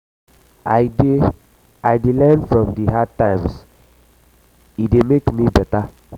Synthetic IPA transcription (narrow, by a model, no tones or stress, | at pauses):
ajde | ajdelɛnfɹɔ̃mdiɦad̚tãɪms | idemekmibɛta